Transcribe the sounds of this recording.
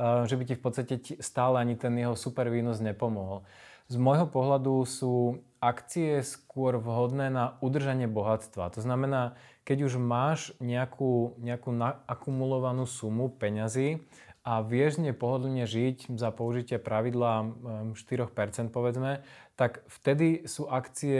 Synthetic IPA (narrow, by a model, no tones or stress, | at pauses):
ʒɛbicifpɔt̪t͡st̪acɛst̪aːlɛaɲit̪ɛnjɛɦɔsupɛɾʋiːnɔzɲɛpɔmɔɦɔlzmɔjɦɔpɔɦʎad̪usuː | akt͡siɛskʊɔɾʋɦɔd̪nɛːnaud̪r̩ʒaɲɪɛbɔɦat̪t͡st̪ʋa̰t̪ɔznamɛnaːkɛɟuʒmaːʒɲɛakʰuːɲɛakuːnaːkumulɔʋanuːsumupɛɲaziː | aʋɪɛʒɲɛpɔɦɔd̪l̩ɲɛʒiczapɔuʒicɪapɾaʋid̪laːʃt̪iɾɔxpɛɾt͡sɛnt̪̚pɔʋɛd͡zmɛt̪akft̪ɛd̪isuːʔakt͡siɛ